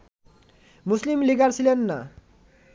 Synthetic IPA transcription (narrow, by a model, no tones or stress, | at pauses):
muslimliɡarsilenːa̰